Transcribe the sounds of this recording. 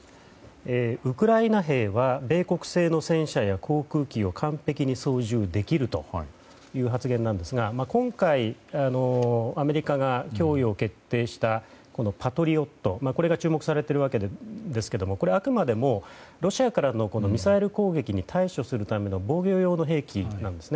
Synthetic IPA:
eːɯ̟kɯ̟ɾainaɦe̞ːβabe̞ːko̞kɯ̟̥se̞ːno̞sẽ̞ɰ̃ɕajakʰo̞ːkɯ̟ːkʲio̞kʰãmpe̞kʲiɲ̟iso̞ːʑɨːd̪e̞kʲiɾɯ̟t̪o̞̰ | jɯ̟ːɦat͡sɨɡẽ̞nːãnd̪e̞sɨɡamakõ̞ŋkaiano̞ame̞ɾʲikaɡakʲo̞ːio̞ke̞t̪ːe̞ːɕi̥t̪a | ko̞no̞pat̪o̞ɾʲio̞t̪ːo̞mako̞ɾe̞ɡat͡ɕɨːmo̞kɯ̟̥saɾe̞t̪eɾɯβake̞d̪d̪e̞sɨ̥ke̞d̪o̞mo̞ko̞ɾe̞akɯ̟mad̪e̞mo̞ɾo̞ɕiakaɾano̞ko̞no̞mʲisaeɾɯ̟ko̞ːɡe̞kʲiɲ̟it̪ʰaiɕo̞sɨɾɯ̟t̪ame̞no̞bo̞ːɡʲo̞ːjo̞ːnoɦe̞ːkʲinãnd̪e̞sɨne

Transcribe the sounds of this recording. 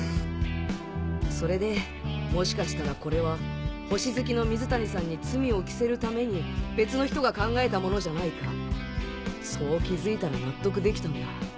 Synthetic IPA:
so̞ɾe̞d̪e̞ | mo̞ɕi̥kaɕi̥t̪aɾako̞ɾe̞β̞aho̞ɕizɨkʲino̞mʲizɨt̪aɲ̟isãɲ̟ːit͡sɨmʲio̞kʲi̥se̞ɾɯ̟t̪ame̞ɲ̟ibe̞t͡sɨno̞çi̥t̪o̞ɡakãŋɡae̞t̪amo̞no̞ʑanaika | so̞ːkʲizɨit̪aɾanat̪ːo̞k̬ɯ̟d̪e̞kʲi̥t̪and̪a̰

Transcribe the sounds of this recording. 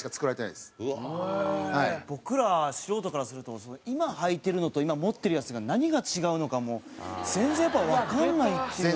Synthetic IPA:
i̥kat͡sɨ̥kɯɾaɾeenajd̪es | haib̥o̞kɯ̟ɾaɕiɾo̞ːt̪o̞kaɾasɨɾɯ̟t̪o̞sonoimahait̪e̞ɾɯ̟no̞t̪o̞imamo̞t̪ːe̞ɾɯ̟jat͡sɨɡanaɲ̟iɡat͡ɕiɡaɯ̟no̞kamo̞z̥ẽ̞nd͡zzẽ̞japːaβakanːait̪ːe

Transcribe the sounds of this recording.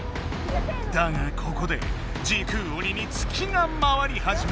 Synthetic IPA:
d̪̥aɡakʰo̞ko̞d̪e̞̰ | d͡ʑiːkʰɯ̟ːo̞ɲʲiɲ̟ʲit͡sɨ̥kʲʰinamaβaɾʲihaʑim

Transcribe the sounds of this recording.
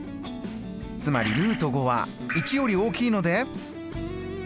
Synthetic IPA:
t͡sɨma̰ɾʲḭɾɯ̟ːt̪o̞ɡo̞βa̰ | it͡ɕijo̞ɾʲio̞ːkʲiːno̞d̪e

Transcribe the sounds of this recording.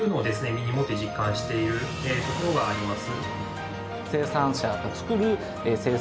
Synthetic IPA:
ɯ̟no̞ːd̪e̞sɨne̞mʲiɲ̟imo̞t̪ːe̞ʑikːãɰ̃ɕi̥t̪e̞iɾɯ̟ | et̪o̞ko̞ɾoɡaːɾʲimasɨ | se̞ːsãɰ̃ɕaɡat͡sɨ̥kɯ̟ɾɯ̟ | ese̞ː

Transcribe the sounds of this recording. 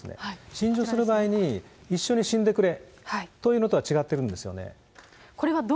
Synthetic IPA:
sɨnḛaɕĩɲ̟d͡ʑo̞sɨɾɯ̟baːiɲ̟iiɕːo̞ɲ̟iɕĩnd̪e̞kɯ̟ɾe̞hait̪o̞jiɯ̟ːno̞t̪oat͡ɕiɡat̪ːe̞ɾɯ̟̃nd̪e̞sɨjo̞̰ne̞̰ | koɾe̞βad̪o

